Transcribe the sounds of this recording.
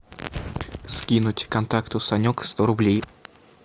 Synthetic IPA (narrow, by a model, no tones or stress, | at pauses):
skʲinʊtʲkɐnt̪akt̪ʊsɐnʲokst̪oɾʊblʲej